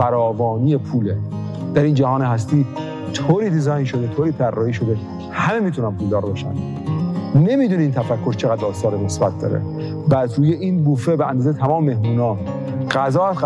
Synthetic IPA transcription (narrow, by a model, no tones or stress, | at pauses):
fæɾɒːvɒːnijepʰuːle | d̪̥æɾiːnd͡ʒæhɒːneɦæs̬t̪iː | t̪ʰoːɾiːd̪izɒːjnʃo̞d̪et̪ʰoːɾiːt̪ʰærːɒːhiːʃo̞d̪e̞ | hæme̞miːt̪ʰunæmpʰuːld̪ɒːɾbeʃæ̰m | ne̞miːd̪uːniːnt̪ʰæfækʰːo̞ɾt͡ʃʰeɣæd̪ːɒːst̪ɒːɾene̞sbæt̪̚ʰd̪ɒ̰ɾḛ | bæt̪ɾuːjeʔiːnbuːfebeʔænd̪ɒːzejet̪ʰæmɒːmemehmuːnɒː | ɢ̥æzɒːæs